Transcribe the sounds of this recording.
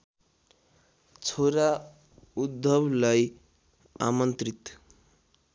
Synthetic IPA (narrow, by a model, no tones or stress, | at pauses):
t͡sʰoɾa | ud̪ʱːʌblaj | a̰mʌnt̪rit̪